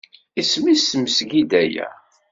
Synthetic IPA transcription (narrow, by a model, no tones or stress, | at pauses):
ismisməsɡid̪æjæ̰